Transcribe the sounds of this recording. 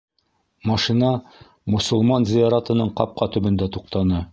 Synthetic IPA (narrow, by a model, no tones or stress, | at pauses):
mɑʃinɑ | mŏsŏlˠmɑnzijɑɾɑt̪ɤ̆nɤɴqɑp̚qɑt̪ɵ̆bɵ̆nd̪æt̪uq̚t̪ɑnɤ